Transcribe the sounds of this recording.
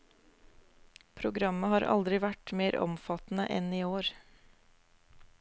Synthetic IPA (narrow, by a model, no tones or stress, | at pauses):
pʰɾʊɡɾɑməhɑːɾʔɑ̰ld̪ɾɪʋæʈmeːɾɔ̰mfɑt̪n̩ə̰ʔɛ̰niːoːɾ